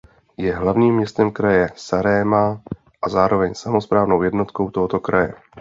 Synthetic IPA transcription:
jɛɦlavɲiːmːɲɛst̪ɛmkɾajɛsaɾɛːma | ʔazaːɾo̞vɛɲsamo̞spɾaːvno̞wjɛdno̞t̪ko̞wt̪o̞ɦo̞t̪o̞kɾajɛ̰

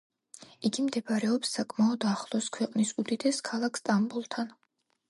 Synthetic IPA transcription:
iɡimd̪ɛbaɾɛɔpsːakʼmaɔd̪aχlˠɔskʰwɛqʼnisud̪id̪ɛskʰalˠakʰst̪ʼambulˠt̪ʰan

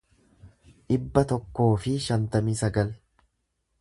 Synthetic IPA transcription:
ʔɪbːɐt̪ɔkːo̞ːfɪʃɐnt̪ɐmiːsɐɡɐl

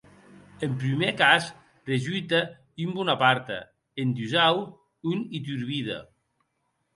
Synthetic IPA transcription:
empɾimekas | reʒujt̪a | ymbunapaɾt̪a̰ | end̪yzaw | unit̪̬yɾβiða̰

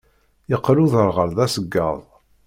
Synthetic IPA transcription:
jəqːluðəɾʁəɾðæsəɡːɑ̰ðˤ

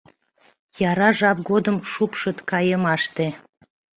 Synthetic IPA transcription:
jɑɾɑʒɑp̚ɡod̪əmʃupʃət̪kɑjəmɑʃt̪e

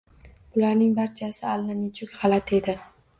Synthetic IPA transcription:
b̥ʊlaɾnɪŋbaɾt͡ʃʰasɪalːanɪt͡ʃʰʊkʲhalat̪ʰe̞d̪ɪ

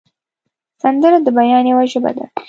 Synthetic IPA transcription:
sand̪əɾad̪əbajɑnjawaʒəba̰d̪a̰

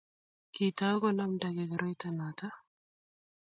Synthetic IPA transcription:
kiːt̪aːɡɔnɐmd̪aɡɛɡɐɾɔjt̪ɐnat̪a

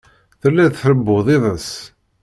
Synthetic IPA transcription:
θəlːæðθɾəbːʊðˤɪðˤəs

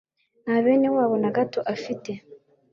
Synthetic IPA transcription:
naβeːne̞waːβonaɡatoʔafite̞

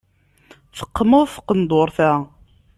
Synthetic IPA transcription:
θə̥qːməðˤθqːənd̪ˤoɾˤθæ

